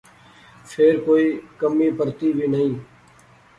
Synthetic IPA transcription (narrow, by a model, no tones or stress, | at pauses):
pʰeːɾkoːiːkəmːiːpəɾt̪iːbʱiːnəĩː